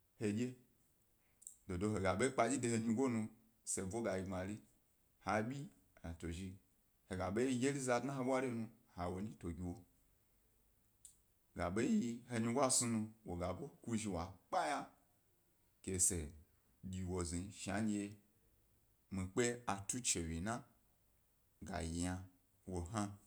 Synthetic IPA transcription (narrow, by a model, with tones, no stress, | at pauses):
he˧ɡʲe˦ | do˨do˧ɦe˨ɡa˨ɓe˦i˦k͡pa˧d͡ʒi˦de˧he˧ɲi˧ɡʷo˦nũ˧ | se˨vo˦ɡa˨ji˧ma˨ɾi˦ | ha˨ɓʲi˦ | a˨to˨ʒi˧ | he˨ɡa˨ɓe˦i˦˧˦ɡʲe˦li˦za˧˨dna˦ɦe˦ɓʷa˦ɾi˦nu˧ | ha˨wo˨ɲĩ˦to˨ɡʲi˨wo˨ | ɡa˨ɓe˦ji˦˧ɦe˧ɲi˧ɡʷa˦su˧nu˧wo˨ɡa˨bo˦ku˦ʒi˧wa˨k͡pa˦ja˦ | ke˨se˨ | ɡʲi˨wo˨zi˨ʃa̰˨˦n˧˦je˧ | mi˨k͡pe˦a˨tu˦t͡ʃe˨wi˨na˦ | ɡa̰˨ji˨ja˧ | wo˨ɦa˦